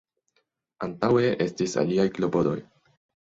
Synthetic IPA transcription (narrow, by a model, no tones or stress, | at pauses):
antawe̞ʔe̞stisa̰liajklobo̞do̞̰j